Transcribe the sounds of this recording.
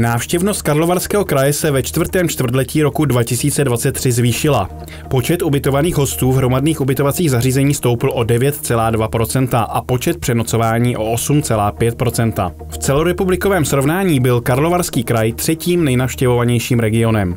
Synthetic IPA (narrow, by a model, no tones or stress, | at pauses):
naːfʃcɛvnost̪̚kaɾlo̞vaɾskɛːɦokɾajɛsɛvɛt͡ʃt̪vr̩ɾt̪ɛːmt͡ʃt̪vr̩t̪lɛciːɾo̞kudvacɪsiːt͡sɛdvat͡sɛt̪ːr̥ɪzviːʃɪla̰ | po̞t͡ʃɛt̪ʔubɪt̪o̞vaniːxɦo̞st̪uːvɦɾo̞madniːxubɪt̪o̞vat͡siːɣzariːzɛɲiːst̪o̞wpɪl̩ʔo̞dɛvjɛt̪t͡sɛlaːdvapɾo̞t͡sɛnt̪aʔapo̞t͡ʃɛt̪̚pr̥ɛno̞t͡so̞vaːɲiːʔo̞̰ʔosumt͡sɛlaːpjɛt̪̚pɾo̞t͡sɛnt̪a̰ | ft͡sɛlo̞ɾɛpublɪkovɛːmsɾo̞vnaːɲiːbɪlkaɾlo̞vaɾskiːkɾajt̪r̝̥ɛciːmnɛjnafʃcɛvovaɲɛjʃiːmɾɛɡɪo̞nɛm